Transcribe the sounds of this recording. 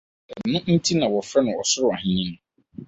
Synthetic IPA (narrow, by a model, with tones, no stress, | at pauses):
ɛ˨nʊ̃˦n̩˦tʰi˦nã˨wɔ˨fɾɛ˦nʊ̃˨ɔ˨sʊ˦ɾʊ˦˨a˨ɦɪ̃˦ɲĩ˦ñ˦